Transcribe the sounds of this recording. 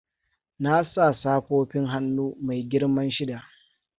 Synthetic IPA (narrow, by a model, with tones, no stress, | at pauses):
na˦sa˦˨saː˦ɸoː˦ɸɪ˦ŋɦa˦nːuː˦ma˨jɡʲɪ˦ɽmɐ˦nʃɪ˦da˨ʔ